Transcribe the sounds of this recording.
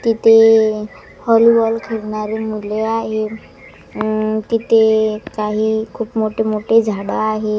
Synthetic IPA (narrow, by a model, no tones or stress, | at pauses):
t̪it̪e | hɔlibɔlkʰeɽnaɾemuleaɦe | t̪it̪ekaɦikʰubmoʈemoʈed͡ʒʱaɽaaɦe